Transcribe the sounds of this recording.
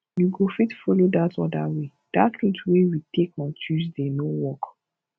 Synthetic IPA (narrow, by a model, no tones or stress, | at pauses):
juɡofitfɔlodatɔdawe | d̥atĩtwewitʰek̚matʰuzdenowɔk